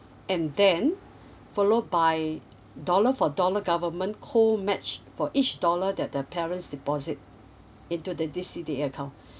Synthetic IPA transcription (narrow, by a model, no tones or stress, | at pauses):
ɛ̃ndɛ̃n | fɔlod̚baɪ | dɔləfɔdɔləɡavəmə̃nkʰomɛt͡ʃfɔʔit͡ʃdɔlədɛt̚dəpʰɛɹə̃nsdipɔzit̚ | ĩntudədisideəkʰãʊ̃n